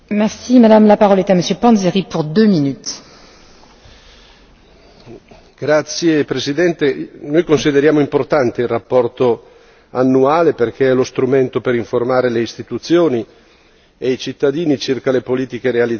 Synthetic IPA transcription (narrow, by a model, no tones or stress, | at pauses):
mɛʁsimad̪amlapaʁɔlɛt̪aməsjøpɑ̃zeʁipuʁd̪øminyt̪ | ɡ̥ɾat̪sːjepɾesid̪ɛnt̪enojkonsid̪eɾjaːmoimport̪ant̪eilrapːɔrt̪o | anːuaːleperkeɛlost̪ɾument̪opeɾiɱformaːɾeleist̪it̪ut̪sːjoːni | eijt͡ʃit̪ːad̪iːnit͡ʃirkalepoliːt̪ikeɾeali